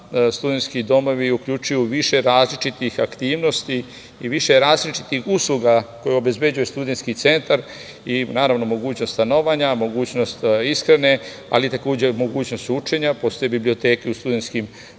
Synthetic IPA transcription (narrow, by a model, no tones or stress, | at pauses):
st̪ud̪e̞nt̪skid̪o̞mo̞ʋiukʎut͡ʃujuʋiʃe̞ɾaːzlit͡ʃit̪ixakt̪iːʋno̞st̪i | iʋiʃe̞ɾaːzlit͡ʃi̥t̪ixuslˠuɡako̞jeo̞be̞zbe̞d͡ʑujest̪ud̪e̞nskit̪se̞nt̪aɾ | inaːɾaʋno̞mo̞ɡuːt͡ɕnost̪t̪ano̞ʋaɲamo̞ɡuːt͡ɕno̞st̪iskɾene̞ | a̰lit̪ako̞ːd͡ʑemo̞ɡuːt͡ɕno̞st̪ut͡ʃeɲapo̞st̪o̞jebiblio̞t̪e̞ːkeust̪ud̪e̞nskim